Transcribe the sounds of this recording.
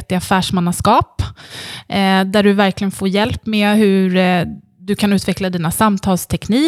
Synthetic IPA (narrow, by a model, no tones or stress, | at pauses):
t̪ɪafæːʂmanaskɑːp | d̪æɖɵvæɾklɪɡənfoːɾjɛlpːmeːɦɵɾ | d̪ɵkʰanʉ̟ːt̪vɛklad̪iːnasamt̪ʰɑːlst̪ʰɛkniː